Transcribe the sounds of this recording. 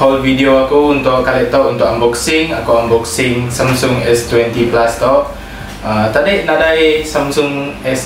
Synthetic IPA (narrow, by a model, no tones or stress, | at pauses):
ɔlvidioakuunt̪ʊʔkalɛt̪awunt̪ʊkambɔksɪŋakuwambɔksɪŋsamsʊŋɛst̪wɛnt̪iplast̪ɔʔ̚ | ət̪adiʔnadajsamsʊŋɛs